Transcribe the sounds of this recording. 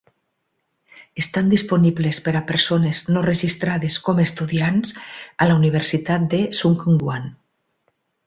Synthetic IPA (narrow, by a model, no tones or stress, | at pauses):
est̪and̪isponiβlespeɾapeɾsoneznoreʒist̪ɾaðeskomest̪uðiansalauniβ̞eɾsit̪at̪̚d̪esuŋkŋɡwan